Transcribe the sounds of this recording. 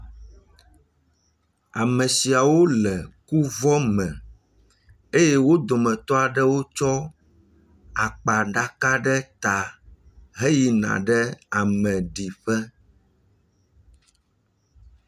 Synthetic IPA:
a˨mɛ̃˨si˨a˨wo˦lɛ˨ku˦vɔ˦mɛ̃˨ | e˦je˦wo˦d̪o˨mɛ̃˨t̪ɔ˦a˨ɖɛ˦wo˦t͡ʃɔ˦ | a˨k͡pa˨ɖa˦ka˦ɖɛ˦t̪a˨ | ɦe˦ji˨nã̰˨ɖɛ˦a˨mɛ̃˨ɖi˨ɸɛ˦

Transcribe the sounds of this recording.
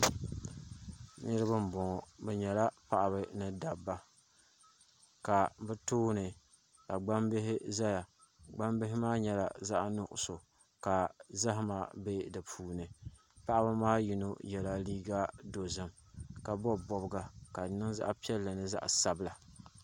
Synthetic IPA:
nɨ˦ɾɨ˦bɨ˦m˦bɔ˨ŋɔ˨bɛ˨ɲɛ˨la˦pa˦ʔa˨bɨ˨nɨ˦da˨bːa˦ | ka˨bɛ˦toː˦nɨ˨ | ka˨ɡ͡ba˦mbɪ˦ɦɪ˦za˦ja˨ | ɡ͡ba˦mbɪ˦ɦɪ˦maː˦ɲɛ˨la˨za˦ʔnʊ˨ʔʊ̰˨so˨ | ka˨za˦ɦɪ˦maː˨be˦dɨ˨pʰuː˦nɨ˨ | pa˦ʔa˦bɨ˦maː˦ji˨no˦jɛ˨la˦liː˦ɡa˦do˨zɨ˨m | ka˨bɔ˦bɔ˨bɡa˨ka˨nɨ˦ŋza̰˦ʔa˦pi˦ɛ˦lːɨ˨nɨ˦za̰˦ʔa̰˨sa˨bla˨

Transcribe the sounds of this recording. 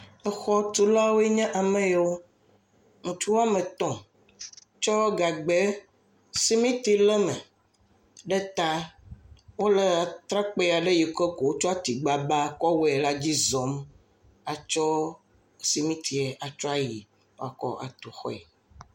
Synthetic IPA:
e˨xɔ˦t̪u˦la˦wo˦e˦ɲɛ̃˦ʔa˨mẽ˦je˨wo˦ | ŋũ˨t͡ʃu˦wa˦mẽ˨t̪ɔ̃˨ | t͡ʃɔ˦ɡa˨ɡ͡be˦ | si˦mĩ˦t̪i˦lɛ˦mɛ̃˨ | ɖe˦t̪a˦ | wo˦le˨a˨t̪ɾa˦k͡pe˦˨a˨ɖe˦ji˨ke˦ko˨wo˦t͡ʃɔ˦a˦t̪i˨ɡ͡ba˦ba˦˨kɔ˦we˨˦ɛ˨la˦d͡ʑi˦zɔ˨˦m | a˨t͡ʃɔ˦ | si˨mĩ˦t̪i˨e˨ʔa˨t͡ʃɔ˦a˦ji˨ | wo˦a˨kɔ̰˦ʔa̰˨t̪o˨xɔ̰˦ɛ˨

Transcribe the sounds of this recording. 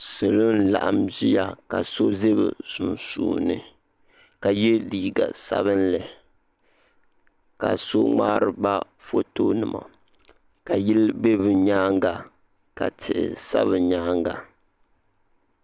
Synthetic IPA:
sɨ˨lo˦n˦la̰˨ʔa˨mzi˦ja˨ka˨so˦ze˦bɨ̰˨su˨nsṵː˨nɨ˦ | ka˨jɛ˦liː˨ɡa˨sa̰˦βɨ˦nlɨ˨ | ka̰˨so˦ŋ͡maː˦ɾɨ˨ba˦ | fo˦to˦nɨ˨ma̰˨ | ka˨ji˦lbe˦bɨ˨ɲaː˦ŋɡa˨ | ka̰˨tʰɪ˨ʔɪ̰˨sa̰˦βɨ˨ɲaː˦ŋɡa˨

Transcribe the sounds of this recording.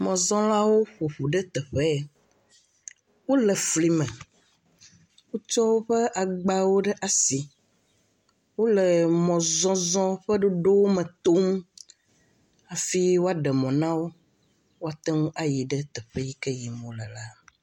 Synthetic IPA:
mɔ̃˨zɔ̃˦la˦wo˦ɸu˨ɸu˨ɖɛ˦t̪ɛ˨ɸɛ˦ | wo˦lɛ˨fli˨mɛ̃˨ | wu˦t͡ʃɔ˦wo˦ɸə˦ʔa˨ɡ͡ba˦wo˦ɖɛ˦ʔa˨si˨ | wo˦lə˨mɔ̃˨zɔ̃˦zɔ̃˦ɸə˦ɖo˦ɖo˦wo˦mɛ̃˨t̪o˦m | a˨fi˦wo˦a˦ɖɛ˨mɔ̃˨nã˦wo˦ | wo˦a˦t̪ɛ˦ŋũ˦ʔa˨ji˨ɖɛ˦t̪ɛ˨ɸɛ˦ji˦kɛ˦ji˨mõ˨lɛ˨la˦

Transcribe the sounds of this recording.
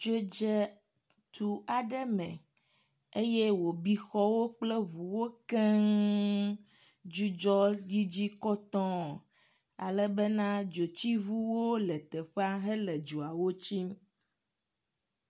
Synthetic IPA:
d͡ʒo˦d͡ʒɛ˦ | t̪ʰu˨a˨ɖɛ˦mɛ̃˨ | e˦je˦wo˨bi˦xɔ˦wo˦k͡plɛ˦βu˨wo˦kɛ˦ŋ | d͡ʒu˦d͡ʒɔ˦ɖi˦d͡ʑi˦kɔ˦t̪ɔ̃˦ | a̰˨lɛ˦bɛ˦nã˦d͡ʒo˨t͡ɕi˦βu˦wo˦lɛ˨t̪ɛ˨ɸɛ˦a˦ɦɛ˦lɛ˨d͡ʒo˨a˨wo˦t͡ɕi˦m

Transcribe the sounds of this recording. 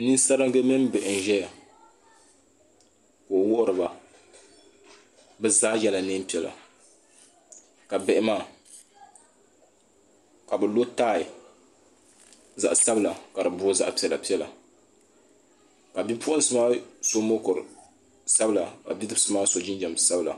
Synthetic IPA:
ni˦sa˦ɾɨ˦ŋ˦ɡe˦mɛ˦m˦bɛ˨ʔɪ˨n˨ʒɛ˦ja˨ | koː˨wʊ˦ʔʊ˦ɾɨ˨ba˨ | bɛ˦zaː˦jɛ˨la˨ne˦m˦pi˨˦ɛ˨la̰˨ | ka˨bɛ˦˨ʔɪ˦maː˦˨ | ka˨bɨ˨lo˦taː˦˨i˨ | za̰˨ʔsa˦bɨ˦la˨ka˨ɾɨ˨bʊː˦za̰˦ʔpi˦ɛ˨la˨pi˦ɛ˦la̰˨ | ka˨bi˦pʰʊ˦ʔʊ˦n˦sɨ˦maː˦so˦mo˦kʊ˨ɾɨ˨ | sa˦bɨ˦la˨ka̰˨bi˦dɨ˦bsɨ˦maː˦so˨d͡ʒɪ˦nd͡ʒɛ˨msa˦bɨ˦la̰˨

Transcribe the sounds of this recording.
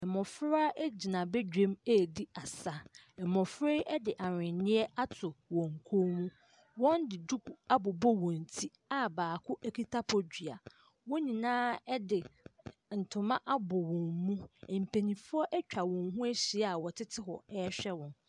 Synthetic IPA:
ɛ˨mɔ̃˨fɾa˦ʔe˦d͡ʑi˨nã˨bɛ˦d͡ʑᶣẽ˦me˦˨di˦a˨sa˦ | ɛ˨mɔ̃˨fɾe˦ɛ˦dɪ˨ʔa˨ɾɪ̃˨nɪ̃˦ɛ˦ʔa˦tʰʊ˨wɔ̃˨ŋ˨kʰo˦mũ˦ | wɔ̃˦ndɪ˨du˦ku˨a˦bʊ˨bɔ˦wɔ̃˨n̩˨tʰi˦ | a˦baː˨kʰʊ˦ʔɛ˦kʰi˦tʰa˦pʰɔ˨d͡ʑᶣi˨a̰˨ | wɔ˦ɲĩ˨nãː˦ɛ˦dɪ˨n̩˨tʰʊ˨mã˦ʔa˦bɔ˨wɔ̃˨mmũ˦ɛ˨m̩˨pʰe˨nĩ˨fʊ˦ɔ˦ʔɛ˦t͡ɕᶣa˨wɔ̃˨ŋɦũ˦e˦ɕi˨a˨wɔ˨tʰɪ˦tʰɪ˦ɦɔ̰˨ɛ˦ɕᶣɛ˦wɔ̃˨n

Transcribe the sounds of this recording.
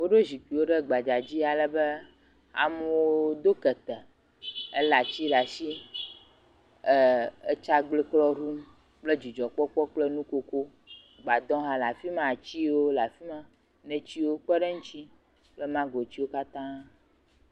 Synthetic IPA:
wo˦ɖe˦zi˨ki˨wo˦ɖɛ˦ɡ͡ba˨d͡ʒa˨d͡ʑi˦a˨lɛ˨be˦ | a̰˨mu˦wo˦d̪o˦kɛ˨t̪ɛ˨ | e˦la˨t͡ɕi˦ɖa˨si˦˨ | e˦t͡ʃa˦ɡ͡bli˦klɔ˦ɖu˦m˦ | k͡ple˦d͡ʑi˨d͡ʒɔ˨k͡pɔ˦k͡pɔ˦k͡plɛ˦nũ˦ko˦ko˦ | ɡ͡ba˨d̪ɔ̃˦ɦã˨la˨fi˦mã˦˨t͡ɕi˦wo˦la˨fi˦mã˦ | nɛ̃˨t͡ɕi˦wo˦k͡pɛ˦ɖɛ˦ŋũ˦t͡ʃi˦ | k͡plɛ˦mã˦ɡo˨t͡ɕi˦wo˦ka˦t̪ã˦

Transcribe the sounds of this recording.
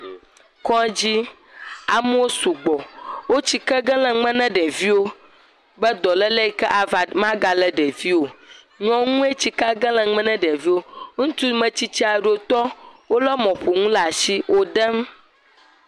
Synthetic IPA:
kɔ̃˦d͡ʑi˦ | a˨m˦o˦su˨ɡ͡bɔ˨wo˦t͡ɕi˦kɛ˦ɡɛ̃˦lɛ̃˨ŋ͡mɛ̃˦nɛ̃˦ɖɛ˨vi˦wo˦ | bɛ˦d̪ɔ˨lɛ˦lɛ˦i˦kɛ˦ʔa˨va˨mã˦ɡa˨lɛ˦ɖɛ˨vi˦wo˨ | ɲɔ̃˦ŋũ˦e˦t͡ɕi˦ka˦ɡɛ̃˦lɛ̃˨ŋ͡mɛ̃˦nɛ̃˦ɖɛ˨vi˦wo˦ŋũ˦t̪u˦mɛ̃˦t͡ɕi˦t͡ɕi˦a˨ɖo˦t̪ɔ˦wo˦lɛ˦mɔ̃˨ɸo˨ŋũ˦la˨ʃi˦wʔo˦ɖɛ˦m

